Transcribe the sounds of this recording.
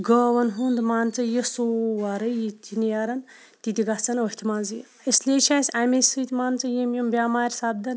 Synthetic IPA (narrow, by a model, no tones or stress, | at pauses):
ɡoːʋɐnɦund̪maːnt͡sɐjesoːʋaɾɐjit̪ʲinijɐɾɐn | t̪it̪ʲiɡɐt͡sɐnohʲt̪ʰimanzɨj | islʲeːt͡ʃʰaːsʲamʲesʲɨt̪ʲmaːnt͡sɐjemjumbʲaːmaːɾʲsab̚d̪ɐn